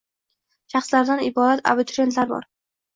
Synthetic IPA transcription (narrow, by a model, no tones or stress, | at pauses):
ʃɑχslaɾd̪anɪbɒd̪at̪ʰa̰bʊt̪ʰɾe̞nt̪laɾbɒ̰ɾ